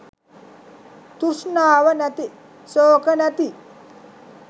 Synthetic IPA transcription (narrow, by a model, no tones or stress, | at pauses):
t̪uʂnaːʋənæt̪i | soːkənæt̪i